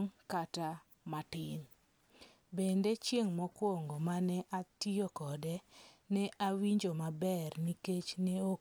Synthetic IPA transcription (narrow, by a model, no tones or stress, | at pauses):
ŋkata | matɪn | bendet͡ʃjeŋmɔkwoŋɡomanɛʔatiokɔdɛnɛʔawiɲd͡ʒomabɛrniket͡ʃneo